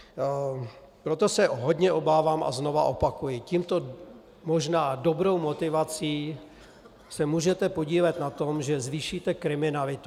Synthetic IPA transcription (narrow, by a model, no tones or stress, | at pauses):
pɾot̪o̞sɛɦo̞dɲɛʔo̞baːvaːmʔa̰zno̞vaʔo̞pakujɪciːmt̪o̞ | mo̞ʒnaːdo̞bɾo̞wmo̞t̪ɪvat͡siː | sɛmuːʒɛt̪ɛpo̞ɟiːvat̪nat̪o̞mʒɛzviːʃiːt̪ɛkɾɪmɪnalɪt̪u